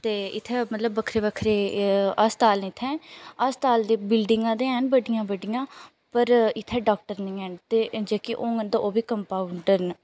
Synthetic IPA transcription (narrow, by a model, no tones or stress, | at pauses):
t̪eːɪt̪ʰːɛːmət̪ləbːəkʰɾeːbəkʰɾeːast̪aːlnɪt̪ʰːɛ̃ːast̪aːld̪eːbɪlɖɪŋɡãːd̪eːɦɛːnbəɖɪjãːbəɖɪjãː | pəɾɪt̪ʰːɛːɖaːk̚ʈəɾnĩːɛːnt̪eːd͡ʒeːkiʔoːəd̪aoːbiːkəmpaːuɳɖəɾn